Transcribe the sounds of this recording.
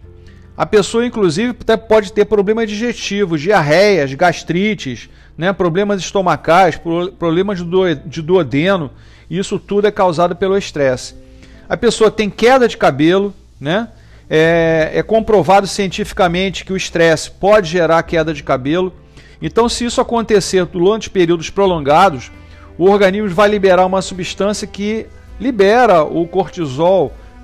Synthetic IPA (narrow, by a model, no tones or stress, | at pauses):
ɐ̰pesoɐĩkluzivɪt̪ɛpɔd͡ʒɪt̪eɾpɾoblẽmɐd͡ʒiʒeʃt͡ʃivʊd͡ʒɪaɦɛjɐzɡaʃt̪ɾit͡ʃɪʃ | nɛpɾoblẽmɐzɪʃt̪omakajʃppɾoblẽmɐzd͡ʒɪd̪uod̪ẽnʊ | ɪisʊt̪ud̪ʊɛkawzad̪ʊpelʊiʃt̪ɾɛsɪ̥ | ɐpesoɐt̪ẽj̃kɛd̪ɐd͡ʒɪkabelʊ | nɛ | ɛɛkõpɾovad̪ʊsiẽnt͡ʃifi̥kɐmẽnt͡ʃɪ̥kɪʊiʃt̪ɾɛsɪ̥pɔd͡ʒɪʒeɾaɾkɛd̪ɐd͡ʒɪkabelʊ | ẽnt̪ɐ̃w̃sɪisʊakõnt̪eseɾd̪uɾɐ̃nt͡ʃɪ̥peɾiwd̪ʊʃpɾolõɡad̪ʊs | ʊoɾɡɐ̃niʒmʊvajlibeɾaɾũmɐsubiʃt̪ɐ̃siɐkɪ | libɛɾɐʔʊkoɾt͡ʃizɔw